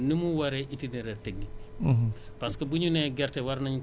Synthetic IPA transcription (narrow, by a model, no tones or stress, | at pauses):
nimuwɐɾɛʔitinɛɾɛtɛɡ̚ːi | pɐskɐbuɲunɛɡɛrtɛwɐɾnɐɲu